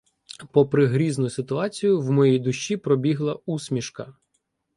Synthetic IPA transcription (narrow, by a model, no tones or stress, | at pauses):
pɔpɾɪɦɾʲiznʊjʊsɪt̪ʊɑt͡sʲijʊwmɔjɛjd̪ʊʃːipɾɔbʲiɦlˠɐusʲmʲiʃkɐ